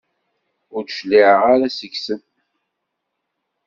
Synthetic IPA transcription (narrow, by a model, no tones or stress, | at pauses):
ʊɾʃlːiʕəʁaɾasəçsən